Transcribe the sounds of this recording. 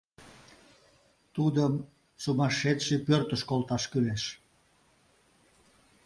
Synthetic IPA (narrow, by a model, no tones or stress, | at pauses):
t̪ud̪əm | sumɑʃet̪ʃepørt̪əʃkolt̪ɑʃkyleʃ